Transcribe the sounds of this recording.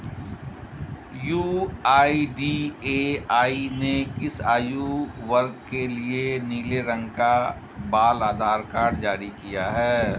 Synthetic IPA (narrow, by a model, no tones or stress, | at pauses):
juːaːiɖiːeːaːinekɪsaːjuʋɐɾɡ̚kelieniːleɾə̃ŋɡka | baːlaːd̪ʱaːɾkaːɾɖd͡ʒaːɾikijaɦɛː